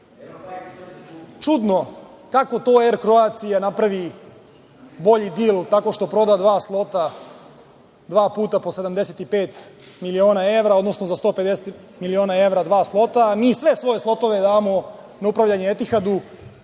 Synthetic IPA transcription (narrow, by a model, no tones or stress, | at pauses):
t͡ʃud̪no̞kako̞t̪o̞ːeɾkɾo̞at̪sijanapɾaʋi | bo̞ʎid̪iːlˠt̪ako̞ʃt̪o̞pɾo̞d̪ad̪ʋaːslˠo̞t̪a | d̪ʋaːpuːt̪apo̞se̞d̪amd̪e̞set̪ipeːt̪milio̞ːnae̞ʋɾao̞d̪no̞sno̞zast̪o̞ːpe̞d̪eset̪ | milio̞ːnae̞ʋɾad̪ʋaːslˠo̞t̪amiːsʋe̞sʋo̞jeslˠo̞t̪o̞ʋe̞d̪aːmo̞ | naupɾaʋʎaɲeet̪ixad̪u